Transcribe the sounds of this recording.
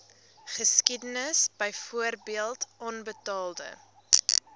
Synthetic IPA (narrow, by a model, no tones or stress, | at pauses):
χəskidənəsb̥əjfuərbiəlˠtʔɔnbətɑːlˠdə̰